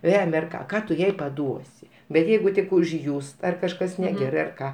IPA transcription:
ˈʋʲæːmʲɛ ɐr ˈkɑː ˈkɑː tʊ ˈjɛɪ pɐˈduɔsʲɪ bʲɛt ˈjɛɪɡʊ tʲɪk ʊʒʲˈjuːst ɐr kɐʃˈkɐs nʲɛˈɡʲæːrɐɪ ɐr ˈkɑː

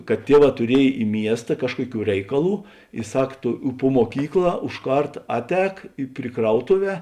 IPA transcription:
kɐt ˈtʲiɛˌʋɑː tʊˈrʲiɛj ɪ ˈmʲiɛstɐ ˈkɑːʃkuɔˌkʲuː ˈrʲɛɪkɐˌlˠuː ɪ ˈsɐk ˈtoː ʊ pʊ muɔˈkʲiːkˌlˠɑː ʊʃ ˈkɐrt ˈɑːtʲˌɛːk pʲrʲɪ ˈkrɐʊtʊˌʋʲɛː

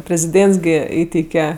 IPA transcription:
pʲrʲɛzʲɪˈdʲeːnts ˈɡʲɪ ˈiːtʲɛɪkʲɛ

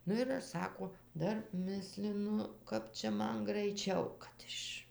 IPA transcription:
ˈnʊ ɪr ˈɐʃ ˈsɑːkoː ˈdɐr ˈmʲɪsʲlʲɪnʊ ˈkɐp t͡ʃʲɛ ˈmɐn ɡrɐɪˈt͡ʃʲɛʊ kɐt ˈɪʃ

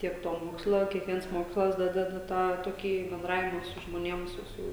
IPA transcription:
ˈtʲiɛk ˈtoː ˈmoːkslˠɐ kʲiɛkˈʋʲiɛns ˈmoːkslˠɐs ˈdɑːdʲɛdɐ ˈtɑː toːˈkʲiː bʲɛnˈdrɑːʋʲɪmɐ sʊ ʒmoːˈnʲiɛm ˈsʊ ˈsʊ

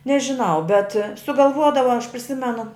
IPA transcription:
nʲɛʒʲɪˈnɐʊ bʲɛt sʊɡɐlˠˈʋuɔdɐʋɐ ɐʃ pʲrʲɪˈsʲɪmʲɛnʊ

